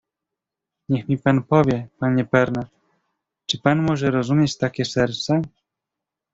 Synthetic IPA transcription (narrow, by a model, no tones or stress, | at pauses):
ɲɛxmʲipanpɔvʲjɛpaɲɛpɛɾnat̪ | t͡ʂɘpanmɔʐɛɾɔzumʲjɛt͡ɕt̪akʲɛsɛɾt̪sɛ